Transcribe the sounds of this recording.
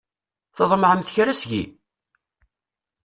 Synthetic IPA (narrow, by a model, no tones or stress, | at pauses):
θəðˤmʕəmθçɾæsɡḭ